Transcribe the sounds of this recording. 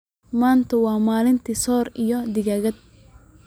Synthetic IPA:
maːnt̪ʰɐwɑːmaːlɪnt̪ʰisɔːɾijɔd̪ɪɣaɣɐd̪̥̚

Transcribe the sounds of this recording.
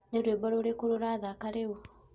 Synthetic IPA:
neɾwebɔɾoɾekoɾoɾaðakaɾewo

